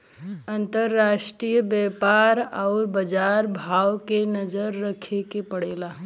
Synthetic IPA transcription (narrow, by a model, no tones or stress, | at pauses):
ə̃nt̪əɾːaːʃʈɾijəbɛːpaːɾɔʊɾbəd͡ʒaːɾbʱaːwkenəd͡ʒəɾːəkʰekepəɽeːla